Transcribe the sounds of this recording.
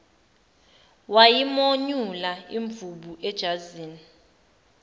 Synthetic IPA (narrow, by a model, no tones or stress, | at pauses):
wajimoɲulaiɱbvuɓuʔɛd̥ʒ̥ʱaziːni